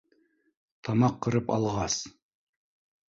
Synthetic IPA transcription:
t̪ʰɑmɑqːɤ̆ɾɤpɑ̰lˠʁɑs

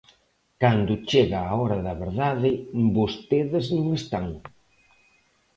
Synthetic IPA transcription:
kand̪ʊt͡ʃeɣaːɔɾɐðɐβeɾðaðɪbost̪eðɪznũŋest̪aŋ

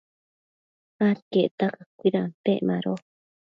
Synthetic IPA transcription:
aɾkeʔt̪akakʷiɾapeʔmãɾo

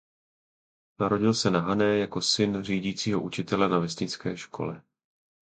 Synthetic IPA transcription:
naɾo̞ɟɪlsɛnaɦanɛːjako̞sɪnr̝iːɟiːt͡siːɦo̞ʔut͡ʃɪt̪ɛlɛnavɛsɲɪt͡skɛːʃkʰo̞̰lɛ

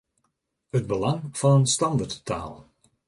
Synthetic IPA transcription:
hət̚bəlɑŋfɑnənstɑndərtta̰ːlˠ

